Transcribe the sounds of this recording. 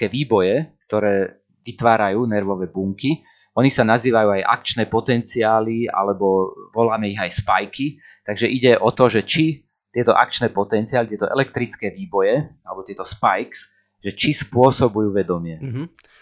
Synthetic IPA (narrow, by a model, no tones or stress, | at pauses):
ɛːʋiːbɔjɛk̚t̪ɔɾɛː | ʋit̪ʋaːɾajuːnɛɾʋɔʋɛːbuŋki | ɔnisanaziːʋajuːajʔa̰kt͡ʃnɛːpɔt̪ɛnt͡siaːlia̰lɛbɔʋɔlaːmɛiɣajspajki | t̪aɡʒɛʔiɟɛʔɔt̪ɔʒɛt͡ʃi | t̪ɪɛt̪ɔʔa̰k̚t͡ʃnɛːpɔt̪ɛnt͡siaːlit̪ɪɛt̪ɔʔɛ̰lɛk̚t̪ɾit͡skɛːʋiːbɔjɛalɛbɔt̪ɪɛt̪ɔspajks | ʒɛt͡ʃispʊɔsɔbujuːʋɛd̪ɔmɪɛ